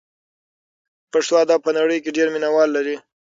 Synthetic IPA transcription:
paʂt̪oad̪ɑb̚pənaɽəjkeɖeɾminawɑlːaɾi

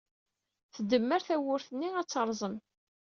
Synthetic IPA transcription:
θəd̪əmːəɾθæwʊɾθənːiæt͡sːəɾˤzˤən

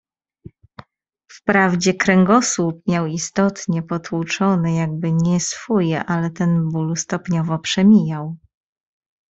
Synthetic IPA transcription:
fpɾavd͡ʑɛkɾɛŋɡɔswup̚mʲjawist̪ɔt̪ɲɛpɔt̪wut͡ʂɔnɘjaɡ̚bɘɲɛsfɔjɛʔalɛt̪ɛnbulst̪ɔpɲɔvɔpʂɛmʲijaw

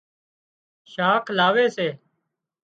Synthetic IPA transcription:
ʃaːkʰlaːʋeːseː

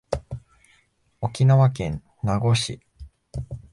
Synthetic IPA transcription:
o̞kʲinaβakẽ̞n | naɡo̞ɕi

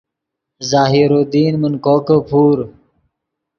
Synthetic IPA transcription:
zaːɦiɾod̪iːnmənkoːkəpʰuːɾ

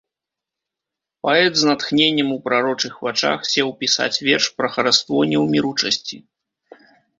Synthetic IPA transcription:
paɛt̪znat̪xnʲenʲːɛmupɾaɾɔt͡ʂɨxvat͡ʂa̰xsʲɛwpʲisa̰t͡sʲvʲɛrʂpɾɐxɐɾast̪vɔjnʲːɛwmʲiɾut͡ʂɐsʲt͡sʲi

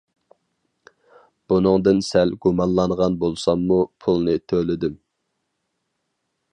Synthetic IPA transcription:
b̥unɨŋd̪ɨnsɛlɡumɑnlˠɑɴʁɑnbolˠsɑmːupʰulˠnɨt̪ʰølɪd̪ɪm

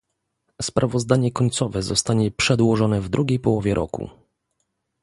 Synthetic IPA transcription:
spɾʔavɔzd̪aɲɛkɔɲt̪sɔvɛzɔst̪aɲɛpʂɛd̪wɔʐɔnɛvd̪ɾʔuɡʲejpɔwɔvʲjɛɾʔɔ̰kṵ

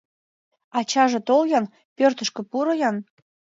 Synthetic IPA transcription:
ɑt͡ɕɑʒĕt̪oljɑn | pørt̪ə̆ʃkĕpuɾɤjɑn

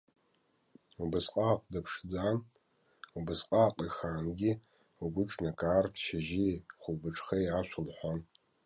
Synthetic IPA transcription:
ubɨsqʼaːqʼdapʰʂd͡zaːn | ubɨsqʼaːqʼiχaːnɡʲi | uɡʷʊʈ͡ʂʼnakʼaːrtʰʃaʒiχʷʊlbɨʈ͡ʂʰʼχejʕaʃʷʰʊlħʷan

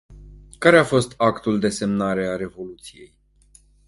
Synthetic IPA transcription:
kaɾe̞afo̞st̪akt̪uld̪e̞se̞mnaɾe̞aɾe̞vo̞lut̪sije̞̰j

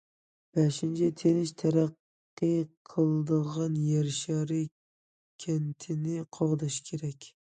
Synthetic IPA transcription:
b̥æʃint͡ʃʰɛt̪ʰenɪʃt̪ʰæɾæqː | ɨqʰəlˠd̪əʁɑnjɛɾʃɑɾɨ | kʲʰent̪ʰɪnɪqʰɑʁd̪ɑʃkʲʰeɾɛkʲ

